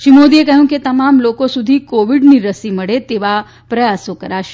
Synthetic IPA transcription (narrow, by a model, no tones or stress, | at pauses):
ʃimod̪iekəɦjũket̪ɐmamlokosud̪ʱikoʋiɖniɾəsiməɽet̪eʋa | pɾɐjasokəɾaʃe̥